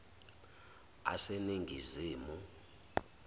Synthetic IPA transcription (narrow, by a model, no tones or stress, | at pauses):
a̰seniŋɡʱiziːmu